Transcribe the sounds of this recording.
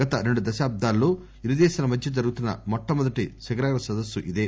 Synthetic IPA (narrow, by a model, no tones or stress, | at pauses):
ɐt̪ɐɾe̞ɳɖud̪ɐʃaːb̚d̪ʱaːlːoː | iɾud̪ɛːsɐnɐmɐd̪t͡ʃid͡ʒɐɾuɡut̪unːɐ̰mɔʈːɐmɔd̪ɐʈisɐɡɐɾaːɡɐɾɐsɐd̪ɐsːuʔid̪eː